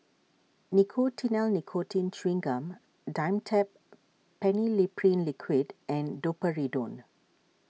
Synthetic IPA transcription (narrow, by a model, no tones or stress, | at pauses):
nikʰoːtʰinɛlnikʰoːtĩnt͡ʃɹĩŋɡə̃m | dãɪ̃mtʰɛp̚ | pːɛnilipʰɾĩnlɪkʰwidɛ̃ndopəɹidõ̰ːn